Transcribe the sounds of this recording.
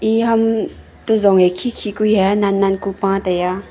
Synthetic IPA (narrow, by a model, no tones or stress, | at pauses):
iɦɐm | tɔzɔŋekʰikʰikuhananːankupãtaja